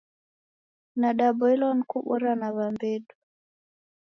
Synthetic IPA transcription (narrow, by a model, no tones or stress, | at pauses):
naɗabɔilɔn̩kuɓɔɾanaβambɛɗu